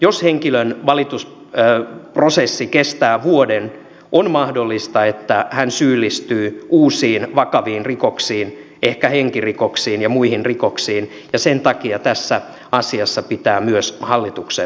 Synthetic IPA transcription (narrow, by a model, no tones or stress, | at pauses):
josheŋkilønʋɑlit̪us | prosesːikest̪æːʋuoden | ʔonmɑhdolːist̪ɑet̪ːæhænsyːlːist̪yːuːsiːnʋɑkɑʋiːnrikoksiːn | ehkæheŋkirikoksiːnjɑmuihinrikoksiːn | jɑsent̪ɑkiɑt̪æsːæ | ɑsiɑsːɑpit̪æːmyøshɑlːit̪ukse